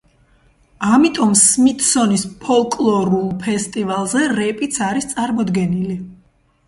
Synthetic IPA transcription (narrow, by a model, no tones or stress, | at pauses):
amit̪ʼɔmsmit̪ʼsɔnispʰɔlˠkʼlˠɔɾulˠpʰɛst̪ʼivalˠzɛɾɛpʼit̪sʰaɾist̪sʼaɾmɔd̪ɡɛnili